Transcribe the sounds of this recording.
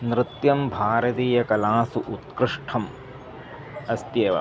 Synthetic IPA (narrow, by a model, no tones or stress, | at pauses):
nɾɪt̪jɐmbʱaːɾɐt̪iːjɐkɐlaːsuʔut̪kɾɪʂʈʰɐm | ɐst̪jeːʋɐ̰